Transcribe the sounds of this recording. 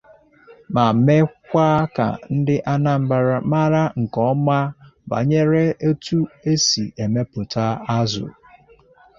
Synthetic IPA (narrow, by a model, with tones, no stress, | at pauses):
ma˨me˦kʷa˦ka̰˨n̩˦dɪ˦ʔa˦na˦m̩˦ba˦ɾa˦ma˦ɾa˦ŋ̩˨kɔ˦ma˦ba̰˨ɲe˦ɾe˦ʔe˦tu˦e˦sḭ˨e˨me˦pʊ˨ta˦a˦zʊ̰˨